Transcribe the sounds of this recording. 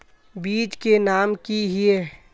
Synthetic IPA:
biːd͡ʒkenaːmkiɦie

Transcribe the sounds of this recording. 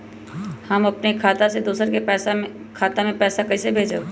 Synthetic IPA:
hɐmɐpnekʰaːt̪ased̪uːsəɾkeɛːs | kʰaːt̪amẽpɛːsakɐisebʱeːd͡ʒe

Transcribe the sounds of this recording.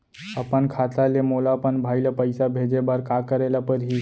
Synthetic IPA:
əpənkʰat̪alemolapənbʱajlapəjsabʱed͡ʒebaɾkakəɾelapəɾɦi

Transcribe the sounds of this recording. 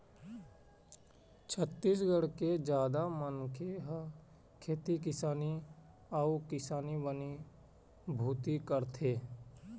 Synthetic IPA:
t͡ʃʰət̪ːiːsɡəɽked͡ʒjaːd̪amənkʰeɦ | kʰeːt̪ikɪsaːni | aukɪsaːnibəni | bʱuːt̪ikəɾt̪ʰeː

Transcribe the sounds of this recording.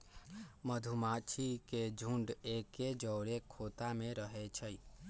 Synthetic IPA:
məd̪ʱumat͡ʃʰiked͡ʒʱũɳɖeːked͡ʒəːɽekʰoːt̪amẽɾəɦet͡ʃʰəi

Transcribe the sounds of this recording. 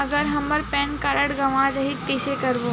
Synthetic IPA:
ɐɡəɾɦɐməɾpɛ̃ːnkɐɾəɽɡɐʋãd͡ʒɐɦikisekɐɾbo

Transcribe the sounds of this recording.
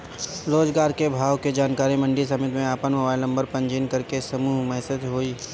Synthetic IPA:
ɾoːd͡ʒɡaːɾkebʱaːʋked͡ʒaːnkaːɾimɐ̃ɳɖis̬ɐmɪt̪mẽaːpənmobaːɪlnɐ̃mbəɾpɐ̃ɲd͡ʒiːnkɐɾkesɐmuːɦmɛɦsət̪ɦoːiː

